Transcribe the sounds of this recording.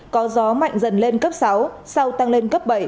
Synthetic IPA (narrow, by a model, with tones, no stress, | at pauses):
kɔ˨˦zɔ˨˦ma̰˧˨jŋ̟zə˧˩nle˧nkə˦˥p̚sa˨˦wsa˧wt̪a˧ŋle˧nkə˦˥p̚ɓə˧˩j